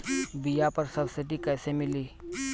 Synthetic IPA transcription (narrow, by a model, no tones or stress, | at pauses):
bijapəɾsəbsɪʈikɛːsemɪliː